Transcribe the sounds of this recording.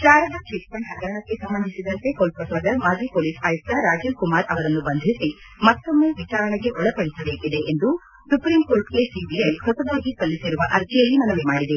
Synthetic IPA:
ʃaːɾɐd̪ɐt͡ʃiʈpɐɳɦɐɡɐɾɐɳɐkːe̞sɐmbɐnd̪ʱisid̪ɐnt̪e̞koːlp̚pɐsɐːd̪ɐmaːd͡ʒiːpoːliːsɐjɐst̪ɐɾaːd͡ʒilkumaːɾʔɐʋɐɾɐnːubɐnd̪ʱisi | mɐt̪ːomːe̞ːʋit͡ʃaːɾɐɳeɡe̞ʔɔɭɐpɐɽisɐbeːkid̪e̞ʔend̪u | supɾiːmkoːɾʈkesiːbijɐjhɔsɐd̪aːɡikɐlːisiɾuʋɐʔɐɾt̪ʰɛjɐlːimɐnɐʋemaːɽid̪e

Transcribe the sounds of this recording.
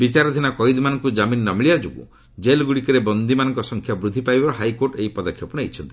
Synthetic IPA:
bit͡ʃaɾɔd̪ʱinakɔjd̪ɔmanɔŋkud͡ʒaminːɔmiɭiad͡ʒoɡṵ | d͡ʒelɡuɽikɔɾebɔnd̪imanɔŋkɔsɔŋkʰjabɾud̪ʱːipajbɔɾɔɦajkoɾʈeipɔd̪ɔkʰjɔpunejt͡ʃʰɔnt̪i̥

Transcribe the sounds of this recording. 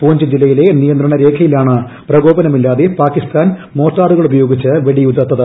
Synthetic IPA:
poːɲd͡ʑɨd͡ʑilːɐjile̞nijɐnd̪rɐɳɐɾe̞ːkʰɐjilaːɳɨ | prɐɡo̞ːbɐnɐmilːaːðepaːkist̪aːnmo̞ːʈːaːruɣɐɭubɐjo̞ːɡit͡ɕːɨʋeɭiud̪ɐt̪ːɐðɨ

